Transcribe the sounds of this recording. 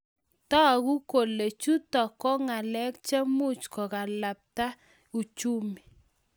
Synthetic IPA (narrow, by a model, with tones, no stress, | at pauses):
tɔ˦˨ku˦ko˨le˨t͡ʃu˦tɔ˨kɔ˦ŋa˨lɛ˦kt͡ʃa˦mu˦t͡ʃkɔ˨ka˨la˨p̚ta˦ | u˨t͡ʃu˦mi˨